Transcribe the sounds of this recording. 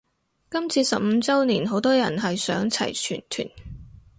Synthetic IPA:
kɐ˥mt͡sʰiː˧sɐ˨p̚m̩˨˧t͡sɐ˥wniː˨˩nɦo˨˥wt̪ɔː˥jɐ˨˩nɦɐ˨jsœ̰ː˨˥ŋt͡sʰɐ̰˨˩jt͡ʃʰy̰ː˨˩nt̪ʰy̰ː˨˩n

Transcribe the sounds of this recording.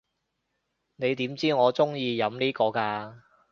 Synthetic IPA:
ne˨˧jt̪iː˨˥mt͡siː˥ŋɔː˨˧t͡sʊ˥ŋjiː˧jɐ˨˥mniː˥kɔː˧kaː˧

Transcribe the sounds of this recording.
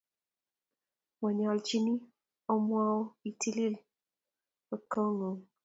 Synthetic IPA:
wɔ˨ɲɔ˨lt͡ʃi˦ni˦ | ɔ˦mwa˦o˦i˨tʰi˦li˦l | o˨ko˦ŋo˨

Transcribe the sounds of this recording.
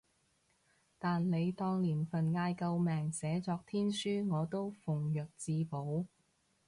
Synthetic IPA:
t̪aː˨nle˨˧jt̪ɔː˧ŋliː˨˩nfɐ˨˩nŋaː˧jkɐ˧wmɛː˨˩ŋsɛː˨˥t͡sɔː˧k̚t̪ʰiː˥nsyː˥ŋɔː˨˧t̪o˥wfʊ˨˩ŋjœː˨k̚t͡siː˧po˨˥w

